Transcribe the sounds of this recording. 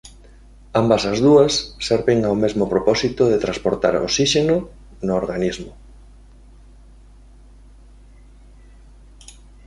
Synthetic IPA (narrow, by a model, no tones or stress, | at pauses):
ambasazðuɐsːeɾβeŋawmezmopɾopɔsit̪ʊðet̪ɾaspoɾt̪aɾo̰siʃeno | nʊːɾɣanizmo